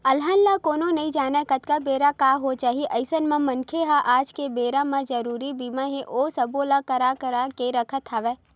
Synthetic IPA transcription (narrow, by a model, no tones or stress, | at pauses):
ɐlɦənlakoːnonɐɦĩd͡ʒaːnakɐt̪kabeːɾakaːɦot͡ʃaːɦieʔɐɪsənmãmɐnkʰeɦaʔaːd͡ʒkebeːɾamãd͡ʒɐɾuːɾibiːmãɦẽʔoːsɐboːlakɐɾakəɾakeɾɐkʰət̪ɦaʋɛː